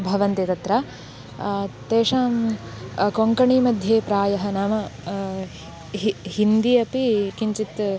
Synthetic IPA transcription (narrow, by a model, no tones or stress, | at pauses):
bʱɐʋɐnt̪et̪ɐt̪ɾɐ | t̪eːʂaːm | koŋkɐɳiːmɐd̪ʱjeːpɾaːjɐɦɐnaːmɐ | hind̪ijɐpikiɲt͡ʃit̪